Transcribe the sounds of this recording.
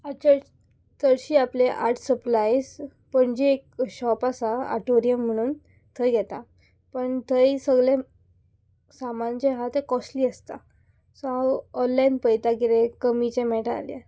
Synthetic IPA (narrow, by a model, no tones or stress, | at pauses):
at͡ɕə | t̪əɽɕiːapleʔa̰ɾʈʰsəplajs | pəɳd͡ʑiek̚ɕɔpasaa̰ʈoɾijəm̤ːəɽ̃uːn | t̪ʰəjɡʱɛt̪a | pəɳt̪ʰəjsəɡɭẽ | samant͡ɕẽɦat̪ẽkɔsliːəst̪a̰ | sɔɦaɔnlajnpəjt̪aɡiɾekəmit͡ɕẽmɛʈaa̰ljḛ